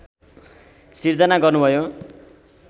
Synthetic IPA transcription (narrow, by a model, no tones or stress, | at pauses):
sird͡zʌnaɡʌrnubʱʌjo